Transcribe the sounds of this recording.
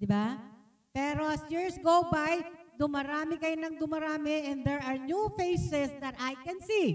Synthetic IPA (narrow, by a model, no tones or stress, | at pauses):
d̪ɪba | pɛːɾoɐsjiɹsɡowbajd̪ʊmɐɾaːmɪkɐjonɐŋd̪ʊmɐɾaːmɪʔɛ̃nd̪ɛɹaɹnjufejsɛsd̪ɐt̪ajkɛnsi